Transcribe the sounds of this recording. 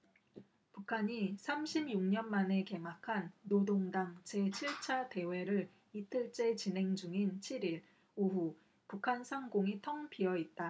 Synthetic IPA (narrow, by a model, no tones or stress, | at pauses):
pukʰaɲisʰamɕʰibjuŋɲʌnmane̞ke̞makʰanːodoŋdaŋt͡ɕʰe̞t͡ɕʰiɭt͡ɕʰade̞we̞ɾɯɾ | itʰɯɭt͡ɕ͈e̞t͡ɕinɦe̞ŋd͡ʑuŋint͡ɕʰiɾiɭ | oɦu | pukʰansʰaŋɡoŋitʰʌŋpʰiʌit̚t͈a